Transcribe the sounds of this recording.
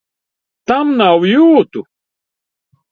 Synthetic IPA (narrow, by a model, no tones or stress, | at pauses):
t̪amnawjuːt̪ʊ